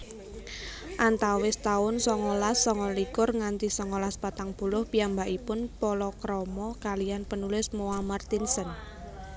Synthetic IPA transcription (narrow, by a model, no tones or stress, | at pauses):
ʔant̪awɪst̪aʊnsɔŋɔlasːɔŋɔlikʊrŋant̪isɔŋɔlaspat̪aŋb̥ulʊhpiambaʔipʊnpɔlɔkɾɔmɔkalijanpənulɪsmoamart̪insən